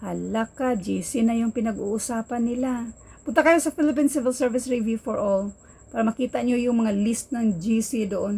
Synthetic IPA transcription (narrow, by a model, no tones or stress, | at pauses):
hɐlakad͡ʒiːsɪnɐjʊŋpɪnɐɡṵʔʊsaːpɐnːɪlapʊnt̪akɐjosɐfɪlɪp̬insɪvɪlsɛɹvɪsɹɪvjufoɹʔol | paːɾɐmɐkiːt̪aɲojʊŋmɐŋalist̪̚nɐŋd͡ʒiːsid̪oʔon